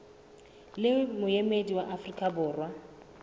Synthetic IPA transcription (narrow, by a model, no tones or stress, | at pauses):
lɪmʊjemediwaʔafrikʼabʊːrwa